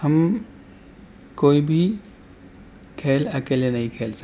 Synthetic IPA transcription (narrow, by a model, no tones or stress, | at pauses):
həm | koːibʱi | kʰeːlɐkeːlenɐɦĩkʰeːlsə